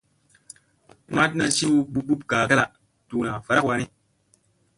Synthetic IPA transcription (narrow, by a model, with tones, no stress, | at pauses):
ma˦tna˦si˦wu˦ɓu˦bu˦p̚kaː˨ka˦la˨ | tu˨na˨fa˨ɾa˦kwa˨ni˦